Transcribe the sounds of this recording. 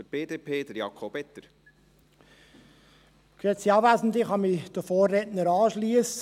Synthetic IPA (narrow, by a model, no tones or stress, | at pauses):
ətb̥eːd̪eːpʰeːd̪əɾjɑkʰob̥ɛt̪ːəɾ | kyəsiɑbvæːzn̩dɪχɑmid̥əfoːrːetnəɾɑːʃliəs